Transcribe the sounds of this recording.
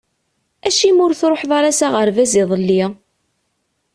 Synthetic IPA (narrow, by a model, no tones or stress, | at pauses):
æʃimʊɾθɾˤoħðˤɑɾˤasaʁəɾvæziðˤəlːi